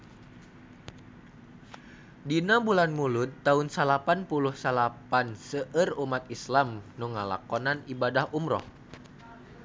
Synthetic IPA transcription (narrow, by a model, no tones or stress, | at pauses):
dinabulanmulut̪ːaunsalapanpuluhsalapansəʔərumat̪islamnuŋala̰kɔnanibadahumɾɔ̰h